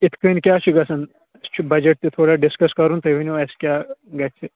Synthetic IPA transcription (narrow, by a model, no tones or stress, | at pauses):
ɪt̪ʰkənkʲjaːt͡ʃʰiɡɐsɐn | t͡ʃʰibɐd͡ʒeʈ̚t̪et̪ʰoːɽaɖɪskɐskɐɾũːnt̪ɐʋenʋaːskjaːɡɐt͡ʃʰe